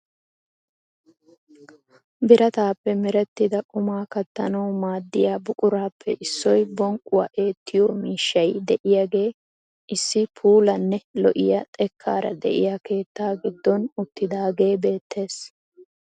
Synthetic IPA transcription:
bɪɾɐt̪aːpːɛmɛɾɛt̪ːɪd̪ɐkʼʊmaːkɐt̪ːɐnɐwmaːd̪ːɪjaːbʊkʼʊɾaːpʰːɛʔɪsːɔjbɔŋkʼːʊwɐ̰ʔe̞ːt̪ːɪjɔmiːʃːɐjd̪ɛʔɪjaɡe̞ː | ʔɪsːɪpʰuːlɐnːɛlɔʔɪ̰jɐt̪ʼɛkʰːaːɾɐ̰d̪ɛ̰ʔɪ̰jake̞ːt̪ːaːɡɪd̪ːɔnʊt̪ːɪd̪aːɡe̞ːbe̞ːt̪ːe̞ːs

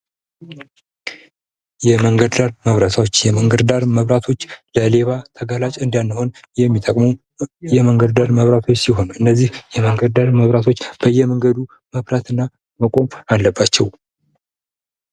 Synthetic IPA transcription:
jɛməŋɡəd̪d̪aɾməβɾət̪ʰawot͡ʃːjɛməŋɡəd̪d̪aɾməβɾat̪ʰo̞t͡ʃːləleβat̪ʰəɡalat͡ʃʼɨnd̪anːəho̞njɛmːit̪ʼəkʼməw | jɛməŋɡəd̪d̪aɾməβɾat̪ʰo̞t͡ʃːsiɦo̞nɨnːəzːihjɛməŋɡəd̪d̪aɾməβɾat̪ʰo̞t͡ʃːb̥əjːɛməŋɡəd̪u | məβɾat̪ɨnːa | məkʼo̞malːəbːat͡ʃːɛw

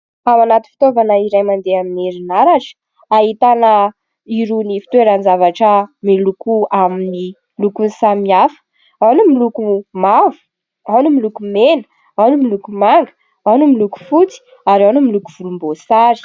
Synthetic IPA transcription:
awanat̪i̥fit̪ovanəiɾajmand̪eamineɾinaɾaʈ͡ʂə̥ | aɦit̪anə | iɾunifi̥t̪weɾanzavaʈ͡ʂəmilukuamini | lukunsamiafə̥ | awnumilukumavu̥ | awnumilukumenə̥ | awnumilukumaŋɡə̥ | anumiluku̥fut͡si̥ | aɾawnumilukuv̥ulumbosaɾi̥

